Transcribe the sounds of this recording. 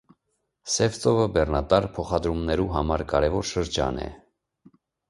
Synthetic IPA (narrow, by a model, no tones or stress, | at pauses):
sɛft͡sɔvəbɛrnɑt̪ɑɾpʰɔχɑd̪ɾumnɛɾuɦɑmɑɾkɑɾɛvɔɾʃəɾd͡ʒɑ̰nɛ̰